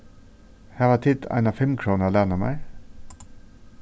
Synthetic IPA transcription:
hæːʋɑːt̪ʰɪd̪æ̰ɪnɑfɛmkʰɾuːnəlænəmæ̰ɪ

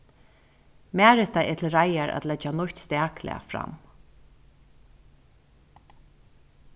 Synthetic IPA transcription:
mæːɾɪt̪aʔɛ̰t̪ʰɪlɾajaɹʔa̰t̪lɛd͡ʒanʊht̪st̪æːklɪ̰a̰fɾa̰m

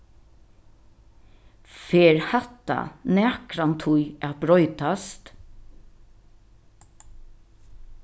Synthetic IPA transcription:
feːɹhat̪a̰nɛːkɾant̪ʰʊjæt̪bɾɔʏt̪ast̪

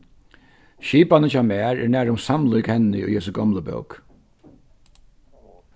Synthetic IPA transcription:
ʃiːpanət͡ʃamæːɹɛ̰ɹnæːɾʊmsamlʊkhɛnːɪʊ̰jhɛsʊɡɔmləbœ̰wk

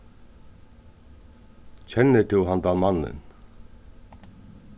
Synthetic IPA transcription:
t͡ɕʰɛnːəʈʰɪlɦand̪amanːə̰n

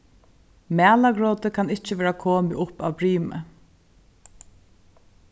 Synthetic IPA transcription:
mæːlaɡɾɔːt̪ɪkʰanɪht͡ʃɪʋɛːɹakʰoːmɪʔʊpawpɾiːmə̰

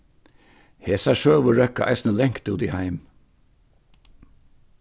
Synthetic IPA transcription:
heːsæʃøːɭʋʊɹœkɑʔæ̰ɪsnəlɛŋkt̪uːd̪ihæɪm

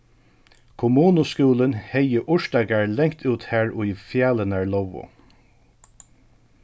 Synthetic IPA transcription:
kʰʊmuːnʊskuːlənhɛjəʔʊʂt̪aɡaɹlɛŋkt̪ʰuːt̪hæɹʊjfjaːlənaɹlɔwʊ̰

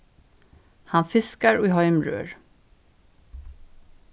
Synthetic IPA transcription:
hanfɪskaɾɔɪɦaɛmɾø̰ːɾ

